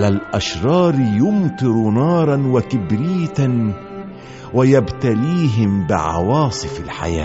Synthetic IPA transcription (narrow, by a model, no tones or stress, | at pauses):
alalʔaʃɾˤɑːɾjʊmt̪ˤɨɾnɑːɾˤɑnwakɪbɾiːt̪an | wajabt̪aliːɦɪmbɪ̰ʕɑ̰wɑːsˤɨfalħa̰ja̰ː